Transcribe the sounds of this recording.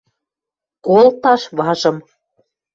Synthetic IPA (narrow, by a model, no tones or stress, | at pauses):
kolˠt̪ɑʃβɑʒə̆m